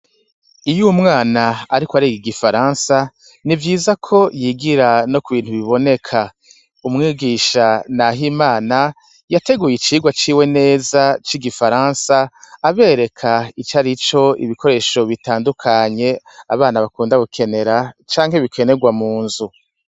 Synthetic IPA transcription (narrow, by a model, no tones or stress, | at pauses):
ijumŋaːnaaɾikwaɾiɡiɡifaɾaːnsa | nivjiːzakʰo̞jiɡiɾano̞kuβiːn̥huβiβo̞ne̞kʰa | umŋiːɡiʃanaɦimaːna | jate̞ɡuːjit͡ʃiːɡwat͡ʃiːwene̞ːzat͡ʃiɡifaɾaːnsaːβe̞ːɾe̞kʰait͡ʃaɾit͡ʃo̞ḭβikʰo̞ɾe̞ːʃo̞βitaːndukʰaɲe̞ | aβaːnaβakuːndaβukʰe̞ne̞ɾat͡ʃaːŋ̥heβikʰe̞ne̞ɡwamuːnzu